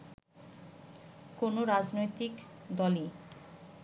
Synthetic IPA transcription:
konoɾad͡ʑnojt̪ikd̪ɔli

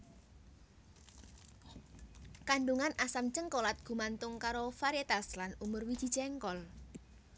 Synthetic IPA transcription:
kaɳɖuŋanasamt͡ʃəŋkolat̪̚ɡ̥ṳmant̪ʊŋkaɾofaɾjet̪aslanumʊrwid̥ʒ̥i̤̥d͡ʒɛŋkɔl

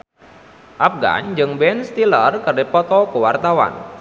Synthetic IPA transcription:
ʔap̚ɡa̰nd͡ʒɨŋbɛnst̪ilərkərdipɔt̪ɔkuwart̪awa̰n

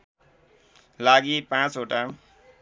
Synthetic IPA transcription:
laɡipãt͡soʈa

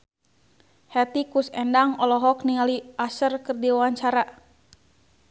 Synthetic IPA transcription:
hɛt̪ikusɛndaŋɔlɔɦɔk̚niŋaliʔasərkərdiwawaɲt͡ʃaɾa

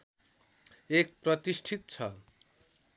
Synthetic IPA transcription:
ek̚pɾot̪iʃʈʰit̪t͡ɕʰɔ

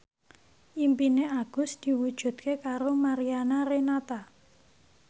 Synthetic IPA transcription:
ʔimpineaɡ̥ʊ̤sd̪̥i̤wud̥ʒ̥ṳd̪̥̚kekaɾomaɾianaɾenat̪a

